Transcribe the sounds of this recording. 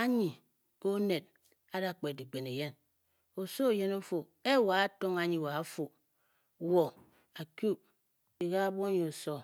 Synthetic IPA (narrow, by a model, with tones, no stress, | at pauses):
a˦ɲi˨ | ko˦ne˨t̚ | a˦da˦˨k͡pe˨di˨k͡pe˨ne˨je˦n | o˨so˦˨je˦no˦fo˨ | e˦˨wa˨a˦to˦ŋa˨ɲi˨wa˨a˦fo˨ | wo˨ | a˨kju˦˨p̚ | i˨ɣa˦bo˦ɲi˨o˨so˦